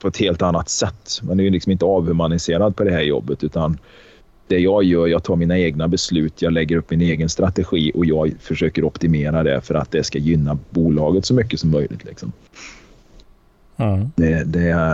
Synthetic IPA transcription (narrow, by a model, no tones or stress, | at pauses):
pʰɔɛt̪heːlt̪anːat̪sɛt̪ːmɛnd̪ɛɛlɪksɔmɪnt̪əɑːvhʉmanɪseːɾad̪̚pʰɔd̪ɛhɦæːɾjɔ̰bːət̪ʉ̟ːt̪an | d̪̥ɛjɑːɡjœːɾjɑːɡ̚t̪ʰɑːɾmiːnaeːɡnabɛslʉ̟ːt̪ʰjɑːɡlɛɡːəɾɵpːmɪneːɡənst̪ɾat̪ɛɧiːʔɔjɑːɡfœʂøːkəɾɔpt̪ɪmeːɾad̪ɛ̰fœɾa̰t̪̚d̪ɛskajʏnːabuːlɑːɡət̪sɔmʏkːəsɔmːœjlʔɪ̰t̪lɪ̰ksɔ̰m | d̪ɛd̪ɛ